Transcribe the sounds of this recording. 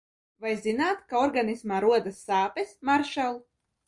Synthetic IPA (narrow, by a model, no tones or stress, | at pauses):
vajzinaːt̪kaɔɾɡanismaːɾuɔd̪asːaːpɛsmaɾʃɛlˠ